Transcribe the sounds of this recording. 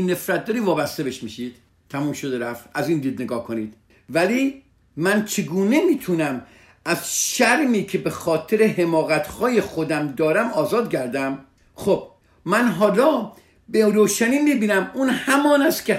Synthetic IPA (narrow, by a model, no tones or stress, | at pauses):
nːe̞fɾæt̪̚d̪ɒːɾiːvɒːbæst̪e̞beʃmiʃid̪̥̚ | t̪ʰæmuːmʃod̪eɾæft̪æziːnd̪iːd̪̚neɡɒːhkʰo̞niːd̪̥ | væliː | mænt͡ʃʰe̞ɡuːne̞miːt̪ʰunæm | æz̥ʃæɾmiːcʰe̞be̞xɒːt̪ʰe̞ɾeɦe̞mɒːɣæt̪ʰhɒːje̞xo̞d̪æmd̪ɒːɾæmɒːzɒːd̪̚ɟæɾd̪æm | xob̥̚ | mænɦɒːlɒː | beɾoːʃæniːmiːbiːnæmunhæmɒːnæst̪kʰʲe